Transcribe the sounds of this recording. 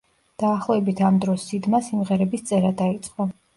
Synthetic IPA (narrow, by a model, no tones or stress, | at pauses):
d̪̥aːχlˠɔɛbit̪ʰamd̪ɾɔsːid̪masimʁɛɾɛbist̪sʼɛɾad̪ait̪sʼqʼɔ